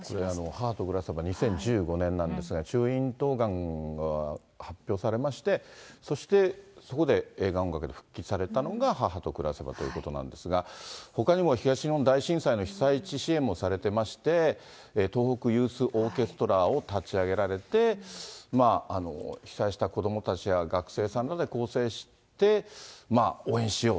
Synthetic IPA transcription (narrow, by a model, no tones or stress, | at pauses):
ko̞ɾe̞ano̞hahat̪o̞kɯ̟ɾasebaɲ̟isẽ̞ɲ̟d͡ʑɨːɡo̞nẽ̞nːãnd̪e̞sɨɡat͡ɕɨːĩnt̪o̞ːɡãŋɡa | hapʲːo̞ːsaɾe̞maɕi̥t̪e̞so̞ɕi̥t̪e̞so̞ko̞d̪e̞eːɡaõŋɡakɯ̟d̪e̞ɸɯ̟̥kʲːit͡si̥saɾe̞t̪ano̞ɡahaɦat̪o̞kɯ̟ɾase̞ba̰t̪o̞ji̟̰kot̪o̞nã̰nd̪e̞sɨɡaho̞kaɲimo̞çiɡaɕinond̪aiɕĩɰ̃saino̞çi̥sait͡ɕiɕiẽ̞mo̞saɾe̞t̪e̞maɕi̥t̪e̞ | t̪o̞ːho̞kɯ̟jɯːsɨʔo̞ːke̞sɨ̥t̪o̞ɾaot̪at͡ɕiaɡe̞ɾaɾe̞t̪e̞maano̞̰çi̥saiɕi̥t̪ako̞d̪o̞mo̞t̪at͡ɕijaɡakɯ̟̥se̞ːsãnɾad̪e̞ko̞ːse̞ːɕi̥ | t̪e̞maoːẽ̞ɰ̃ɕijo̞ː